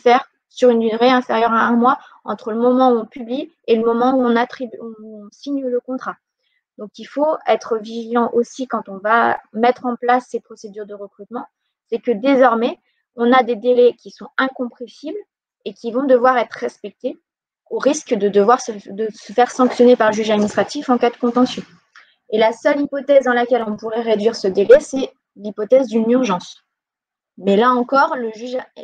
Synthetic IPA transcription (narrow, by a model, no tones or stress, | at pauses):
fɛʁ | syʁynd̪yʁeɛ̃feʁjœʁaɛ̃mwa | ɑ̃t̪χələmɔmɑ̃uɔ̃pybli | eləmɔmɑ̃uɔ̃nat̪χibuɔ̃siɲələkɔ̃t̪χa | d̪̥ɔ̃kilfoɛt̪χəviʒilɑ̃ʔosikɑ̃t̪ɔ̃vamɛt̪χɑ̃plasːepχɔsed̪yʁd̪əʁəkχyt̪mɑ̃ | sɛkəd̪ezɔʁmɛ | ɔ̃nad̪ed̪elɛkʲisɔ̃ɛ̃kɔ̃pχẽsibl | ekʲivɔ̃d̪əvwaʁɛt̪χəʁɛspɛk̚t̪e | oʁiskd̪əd̪əvwaʁsəd̪əsəfɛʁsɑ̃ksjɔnepaʁləʒyʒad̪minist̪χat̪ifɑ̃kad̪əkɔ̃t̪ɑ̃sjɔ̃ | elasœlipɔt̪ɛzd̪ɑ̃lakʲɛlɔ̃puʁɛʁed̪ɥiʁsəd̪elɛsɛ | lipɔt̪ɛzd̪ynyʁʒɑ̃s | mɛlaɑ̃kɔʁləʒyʒ